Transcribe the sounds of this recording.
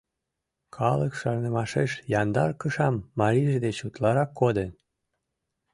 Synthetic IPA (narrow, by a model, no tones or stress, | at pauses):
kʰɑləkʃɑrnə̆mɑʃeʃjɑnd̪ɑrkəʃɑmːɑɾiʒed̪et͡ɕut̪lɑɾɑkːod̪en